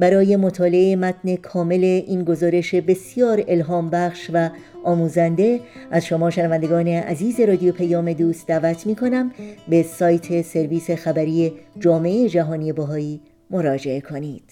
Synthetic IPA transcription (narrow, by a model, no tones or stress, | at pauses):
bæɾɒːje̞mot̪ʰɒːle̞emæt̪ʰne̞kʰɒːme̞le̞ʔiːnɡo̞zɒːɾe̞ʃe̞be̞sijɒːɾe̞lɦɒːmbæχʃvæ | ʔɒːmuːzænd̪e̞ʔæzʃo̞mɒːʃænævænd̪eɡɒːne̞ʔæziːze̞ɾɒːd̪ijopʰejɒːme̞d̪uːst̪̚d̪æːvæt̪ʰmiːkʰo̞næmbe̞sɒːjt̪ʰe̞se̞ɾviːse̞xæbæɾiːed͡ʒɒːme̞ʔeed͡ʒæɦɒːnije̞bɒɦɒːiː | mo̞ɾɒːd͡ʒe̞ekʰo̞niːd̪̥